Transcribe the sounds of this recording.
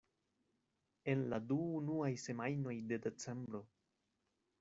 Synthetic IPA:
e̞nladuːnuajse̞majno̞jde̞de̞t͡se̞mbɾo̞

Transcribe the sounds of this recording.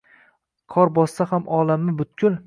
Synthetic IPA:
qʰɒɾbɒsːahamʔɒlamːɪbʊt̪kʰʲʊl

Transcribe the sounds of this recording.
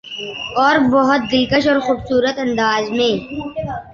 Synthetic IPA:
ɔːɾbɔɦʊt̪̚d̪ɪlkəʃɔːɾxuːbsuːɾət̪ɐ̃nd̪aːzmẽː

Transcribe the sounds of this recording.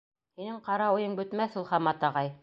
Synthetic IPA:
hinɘɴqɑɾɑŭjɤɴbɵ̆t̪mæθulˠχɑmɑt̪ɑʁɑj

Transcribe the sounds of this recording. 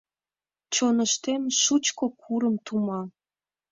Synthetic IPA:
t͡ɕonəʃt̪emʃut͡ɕkokʰuɾəmt̪umɑ

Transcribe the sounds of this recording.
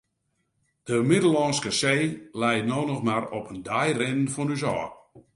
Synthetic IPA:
d̥əmɪdəlɔnskəseːlɛjtnoːnɔxmaɾɔpəndajrɪnənfɔnys̬ɔː

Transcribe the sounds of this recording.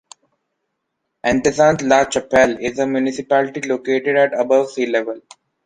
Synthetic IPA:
ʔɛ̃ɳʈɪzãːntlaːt͡ʃəpɛlɪzəmjunɪsɪpælɪʈiloːkeːʈeɖæʈəbəʋsiːlɛʋəl

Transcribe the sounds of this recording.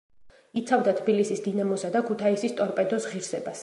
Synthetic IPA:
it̪sʰavd̪at̪ʰbilisisd̪inamɔsad̪akʰut̪ʰaisist̪ʼɔɾpʼɛd̪ɔsʁiɾsɛbas

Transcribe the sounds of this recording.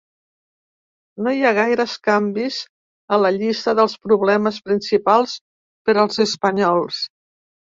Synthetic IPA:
nojaɣ̞ajɾəəskambiz | ələʎist̪əðəlˠspɾuβlɛməspɾinsipalˠs | pəɾəlˠzəspəɲɔlˠs

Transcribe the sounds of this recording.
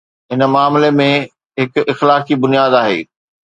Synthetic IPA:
ɦɪn̆maːmlemẽ | ɦɪkɪxlaːkibʊnijaːd̪aːɦḛː

